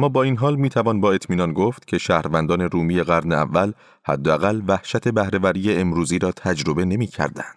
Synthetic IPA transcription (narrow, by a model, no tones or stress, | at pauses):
mːɒːbɒːiːnɦɒːlmiːt̪ʰævɒːnbɒːe̞t̪ʰmiːnɒnɡoft̪cʲʰe̞ʃæːhɾvænd̪ɒːne̞ɾuːmije̞ɣæɾneæ̰vːæl | hæ̰d̪ːeæɣælvæhʃæt̪ʰe̞bæhɾe̞væɾiːjeemɾuːziːɾɒːt̪ʰæd͡ʒɾo̞be̞ne̞miːcʰæ̰ɾd̪æ̰nd̪̥